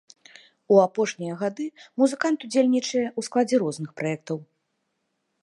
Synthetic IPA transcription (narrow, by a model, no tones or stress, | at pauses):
uapɔʂnʲijɐɣad̪ɨmuzɨkant̪ud͡zʲelʲnʲit͡ʂɐjɛusklˠad͡zʲɛɾɔznɨxpɾʔajɛk̚t̪ɐw